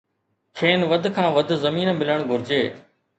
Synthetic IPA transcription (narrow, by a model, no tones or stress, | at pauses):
kʰeːnʋəd̪ʱkʰãːʋəd̪ʱzəmiːnmɪləɳ̃ɡʱʊɾɪd͡ʑeː